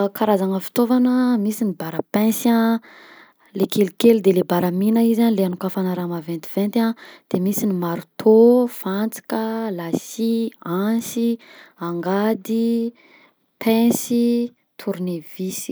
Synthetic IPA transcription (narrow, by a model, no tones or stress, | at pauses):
kaɾazaŋəfi̥t̪ovanəmisinibaɾəpɛ̃sã | lekʰelikelid̪elebaɾaminəizanleanukafanaɾamavent̪i̥v̥ent̪ãd̪̥emisinimaɾut̪ʰofant͡si̥kəlasiansiaŋɡad̪i | pʰɛ̃si | t̪ʰuɾunevisi̥